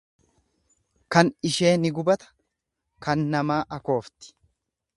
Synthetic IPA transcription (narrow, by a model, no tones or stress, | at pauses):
kɐnɪʃe̞ːnɪɡʊbɐt̪ɐ̥ | kɐnːɐmaːʔɐko̞ːft̪ɪ̥